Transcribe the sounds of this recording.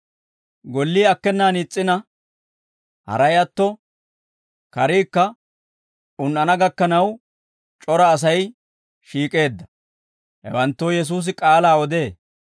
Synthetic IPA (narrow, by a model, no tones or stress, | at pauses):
ɡɔlːiːɐkːɛnːaːnit͡sʼːɪnɐ | hɐ̰ɾɐjɐt̪ːɔ | kɐɾiːkːɐ | ʊnʔɐnɐɡɐkːɐnɐw | t͡ʃʼɔɾɐːs̬ɐj | ʃiːkʼe̞ːd̪ːɐ | hɛ̰wɐnt̪ːɔjɛs̬uːs̬ɪkʼaːlaːɔd̪e̞ː